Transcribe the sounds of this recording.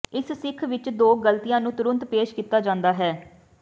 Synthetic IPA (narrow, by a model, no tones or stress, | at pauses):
ɪssɪkʰʋɪt͡ʃd̪oːɡəlt̪ijãːnũːt̪ʊɾənt̪peːʃkiːt̪aːd͡ʒãːnd̪aːɦɛː